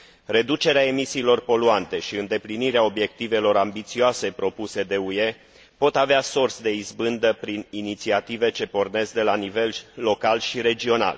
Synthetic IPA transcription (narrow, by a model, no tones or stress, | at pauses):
re̞d̪ut͡ʃe̞ɾeae̞misiːlo̞rpo̞luant̪e̞ʃiɨnd̪e̞pliniɾeao̞bje̞k̚t̪ive̞lo̞ɾambit̪sioase̞pɾo̞puse̞d̪e̞uje̞ | po̞t̪aveasorsd̪e̞izbɨnd̪əpɾininit̪siat̪ive̞t͡ʃe̞po̞rne̞zd̪e̞lanive̞lːo̞kalʃiɾe̞d͡ʒio̞na̰l